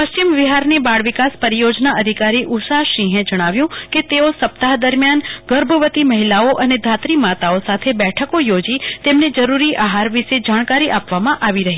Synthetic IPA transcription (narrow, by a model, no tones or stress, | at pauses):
pəʃt͡ʃimʋiɦaɾnebaɽʋikaspəɾjod͡ʒnaʔəd̪ʱikaɾiʔusaʃĩɦẽd͡ʒəɽ̃aʋjũket̪eosəpt̪aɦd̪əɾmjanɡəɾbʱəʋət̪iməɦilaoʔəned̪ʱat̪ɾimat̪aosat̪ʰebɛʈʰəkojod͡ʒit̪emned͡ʒəɾuɾiʔaɦaɾʋiʃed͡ʒaɽ̃kaɾiʔapʋamãʔaʋiɾəɦi